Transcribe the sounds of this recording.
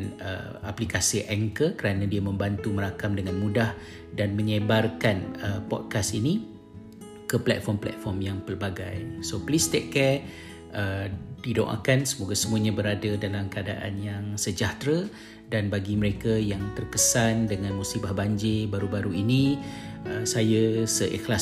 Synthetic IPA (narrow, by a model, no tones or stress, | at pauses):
nə̰aplikasiʔɛŋkəkəɾanãdiamə̃mbant̪uməɾakamdəŋanmũdah | danməɲəbarkanəpɔ̰t̚kasini | kəplɛ̰t̪̚fɔmplɛ̰t̪̚fɔrmjaŋpərbaɡajsoplist̪ɛkːɛ | ədjudõ̰ŋʔa̰kansəmoɡasəmuaɲãbəɾadadalamkəada̰ʔa̰njaŋsəd͡ʒaht̪ɾa | danbaɡiməɾekajaŋt̪ərkəsandəŋãnmusibahbaɲd͡ʒebaɾubaɾuini | əsajəsəʔɛ̰xla